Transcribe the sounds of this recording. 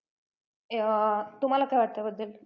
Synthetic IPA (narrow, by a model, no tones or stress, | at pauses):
t̪um̤alakajʋaʈt̪əɛbəd̪ːəl